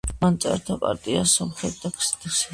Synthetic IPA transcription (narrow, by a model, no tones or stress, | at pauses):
ant̪sʼa̰ɾt̪ʰapʼa̰ɾt̪ʼiasɔmχɾɛt̪̚d̪akʰsit̪ʰʼs